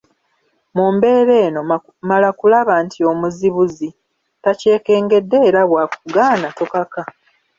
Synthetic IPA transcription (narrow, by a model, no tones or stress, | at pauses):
muːmbe̞ːɾe̞ːno̞ | malakulaβaːntʰio̞muziβuzi | tace̞ːke̞ːŋɡe̞dːe̞ːɾaβwaːkuɡaːnatokaka